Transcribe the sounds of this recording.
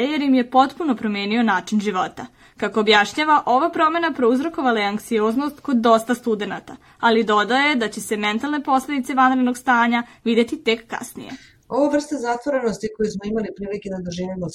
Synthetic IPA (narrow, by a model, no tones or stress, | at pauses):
ejeɾjimje̞po̞t̪punopɾo̞me̞ːnio̞naːt͡ʂinʒiʋo̞t̪a | kako̞ːbjaʃɲaʋaʔo̞ʋapɾo̞me̞napɾouzɾo̞ko̞ʋalajeaŋkt̪sioːznost̪ko̞d̪ːo̞st̪ast̪ud̪e̞na̰t̪a | alid̪o̞d̪aojed̪at͡ɕe̞se̞me̞nt̪alˠne̞po̞sle̞d̪it̪e̞ʋanɾed̪no̞ɡst̪aːɲaʋid̪e̞t̪it̪e̞kːa̰snḭje̞ | o̞ʋaʋr̩st̪azat̪vʋoɾenost̪iko̞jusmoimalipɾiːliked̪ad̪uʒinimo